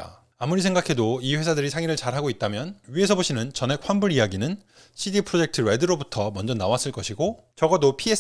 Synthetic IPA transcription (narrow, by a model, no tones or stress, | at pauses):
a̰ | amuɾisʰe̞ŋɡakʰe̞doiɸwe̞sʰadɯɾisʰaŋiɾɯɭt͡ɕaɾɦaɡoit̚t͈amjʌnɥiɦe̞s̬ʰʌboɕʰinɯnt͡ɕʌne̞kʰɸwanbuɾijaɡinɯn | ɕʰidipʰɯɾod͡ʑe̞k̚tʰɯɾedɯɾobutʰʌmʌnd͡ʑʌnawas͈ɯɭk͈ʌɕʰiɡo | t͡ɕʌɡʌdopʰie